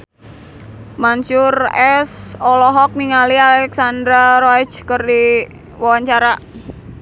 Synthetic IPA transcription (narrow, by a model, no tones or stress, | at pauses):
maɲt͡ʃʊrɛsɔlɔɦɔk̚niŋalialɛksand̪ɾaɾɔɛt͡ʃkərdi | wawaɲt͡ʃaɾa